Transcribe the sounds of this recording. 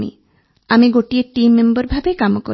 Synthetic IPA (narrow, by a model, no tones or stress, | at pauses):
mḭ | amiɡoʈieʈimːembɔɾbʱabekamɔko̰